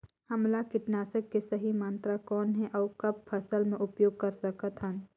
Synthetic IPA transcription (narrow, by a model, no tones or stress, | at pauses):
hɐmlakɪʈnaːsəkːesɐɦimãːnt̪ɾakɔːnɦɛ̃ʔɔːkɐb̚pʰɐsəlmẽʔʊpjoːɡ̚kɐɾsɐkət̪ɦən